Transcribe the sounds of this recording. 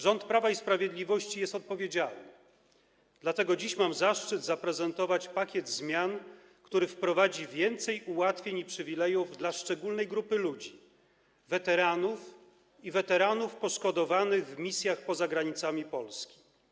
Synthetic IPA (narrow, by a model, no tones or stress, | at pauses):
ʐɔnt̪pɾavaispɾavʲjed̪lʲivɔɕt͡ɕijɛst̪ɔt̪̚pɔvʲjed͡ʑalnnɘ | d̪lat̪ɛɡɔd͡ʑiɕmamzaʂt͡ʂɘd̪zapɾɛzɛnt̪ɔvat͡ɕpakʲjɛd̪zmʲjan | kt̪uɾɘfpɾɔvad͡ʑivʲjɛnt̪sɛjuwat̪fʲjeɲipʂɘvʲilɛjuvd̪laʂt͡ʂɛɡulnɛjɡɾupɘlud͡ʑi | vɛt̪ɛɾanuf | ivɛt̪ɛɾanufpɔʂkɔd̪ɔvanɘɣvmʲisʲjaxpɔzaɡɾaɲit̪samʲipɔlskʲi̥